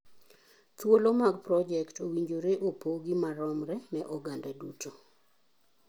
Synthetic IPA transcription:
t̪wolomaɡpɾɔd͡ʒɛktʰowiɲd͡ʒoɾeʔopoɡimaɾɔmɾɛnɛʔɔɡandadutʰo

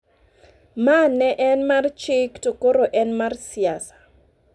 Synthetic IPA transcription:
manɛʔɛnmart͡ʃɪktokoɾoʔɛnmarsiasḁ

